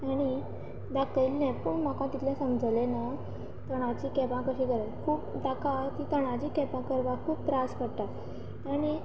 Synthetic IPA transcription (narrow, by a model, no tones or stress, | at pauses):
aɽ̃i | d̪akəilnɛ̃pəɳmakãt̪it̪ʰljãsəmd͡zlena | t̪əɽ̃at͡ɕiːkɛpãkəɕiːɡʱəɾakʰuːpd̪akat̪it̪əɽ̃at͡ɕiːkɛpãkəɾʋakʰuːp̚t̪ɾaskəɽt̪a | aɽ̃i